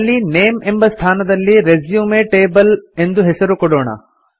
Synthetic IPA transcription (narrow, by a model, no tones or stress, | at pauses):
lːineːmembɐst̪ʰaːnɐd̪ɐlːiɾezjuːmeʈeːbɐle̞nd̪uɦesɐɾukɔɽoːɳɐ̰